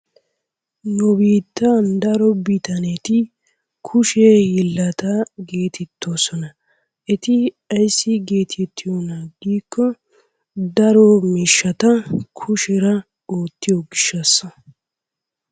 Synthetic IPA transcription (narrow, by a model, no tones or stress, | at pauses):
nʊbiːt̪ːɐnd̪ɐɾɔbɪt̪ɐnɛt̪ɪ | kʰʊʃejɪlːɐt̪aɡe̞ːt̪ʰɛt̪ːo̞ːsɔnɐ | ɛt̪ɪ | ɐjsːɪɡe̞ːt̪ʰɛt̪ʰːɪjonaːɡiːkʰːɔ | d̪ɐɾɔmiːʃːɐt̪ɐkʰʊʃɛɾɐ | oːt̪ːɪjɔɡɪʃːɐsːɐ